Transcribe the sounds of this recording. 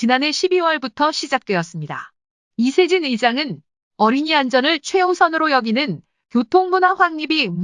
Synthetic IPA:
t͡ɕinane̞ɕʰibiwʌɭbutʰʌɕʰid͡ʑak̚t͈we̞ʌs͈ɯmɲida̰ | isʰe̞d͡ʑiniɭd͡ʑaŋɯn | ʌɾiɲiand͡ʑʌnɯɭt͡ɕʰwe̞osʰʌnɯɾojʌɡinɯn | kjotʰoŋmunaɸwaŋɲibim

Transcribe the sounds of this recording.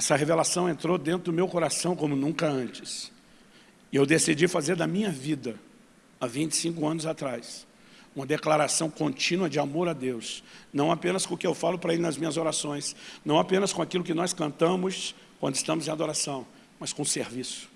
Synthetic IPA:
ɛsɐɦevelasɐ̃w̃ẽnt̪ɾod̪ẽnt̪ɾʊd̪ʊmewkoɾasɐ̃w̃kõmʊnũkɐɐ̃nt͡ʃɪ̥s | ɪewd̪esid͡ʒifazeɾd̪ɐmĩɲɐvid̪ɐ | ɐvĩnt͡ʃɪ̥sĩŋkʊɐ̃nʊzat̪ɾajs | ũmɐd̪eklaɾasɐ̃w̃kõnt͡ʃĩnuɐd͡ʒɪamoɾad̪ewsnɐ̃w̃apẽnɐskõʊkɪewfalʊpɾɐelɪnɐzmĩɲɐzoɾasõj̃snɐ̃w̃apẽnɐskõakilʊkɪnɔskɐ̃nt̪ɐ̃mʊs | kwɐ̰̃nd̪ɪst̪ɐ̃mʊzẽj̃ad̪oɾasɐ̃w̃ | mɐskõseɾvisʊ̥

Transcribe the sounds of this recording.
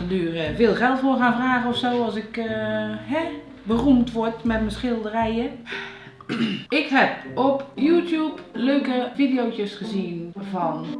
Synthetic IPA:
ədyːərvɪːlˠχɛlˠtfoxanfraːɣəɔfsoːɔsɪk | hɛ | bərumtʋɔtmɛtmənsχɪlˠdərɛjə | ɪkhɛpɔpjuːtjupløːkəfidijowtəsχəziənvɔn

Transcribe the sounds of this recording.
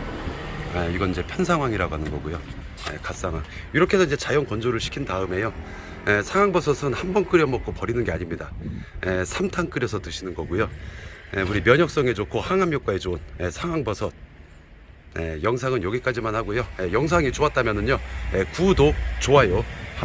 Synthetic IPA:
aiɡʌnid͡ʑe̞pʰjʌnsʰaŋɦwaŋiɾaɡoɦanɯnɡʌɡujo | jḛkas͈aŋɦwa̰ŋ | iɾʌkʰe̞nʌnid͡ʑe̞t͡ɕajʌnkʌnd͡ʑoɾɯɭɕʰi̥kʰindaɯme̞jo | esʰaŋɦwaŋbʌsʰʌsʰɯnhambʌnk͈ɯɾjʌmʌk̚k͈opʌɾinɯnɡe̞aɲimɲidaesʰamtʰaŋk͈ɯɾjʌsʰʌt͈ɯɕʰinɯnɡʌɡujoeuɾimjʌɲʌk̚s͈ʌŋe̞d͡ʑokʰohaŋɦamjok͈̚wae̞t͡ɕonesʰaŋɦaŋbʌsʰʌt̚ | jejʌŋsʰaŋɯnjʌɡik͈ad͡ʑimanhaɡojojejʌŋsʰaŋit͡ɕoat̚t͈amjʌnɯɲɲojekudot͡ɕoajo

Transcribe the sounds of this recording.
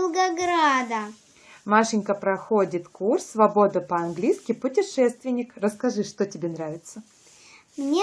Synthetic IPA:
lˠɡɐɡɾad̪ɐ | maʂɪnʲkəpɾɐxo̞dʲɪt̪kursːvɐbo̞d̪əpəɐnɡlʲijskʲɪpʊtʲɪʂɛst̪vʲɪnʲːɪkrəskɐʐɨʂt̪otʲɪbʲenɾavʲɪt̪sə | mnʲe

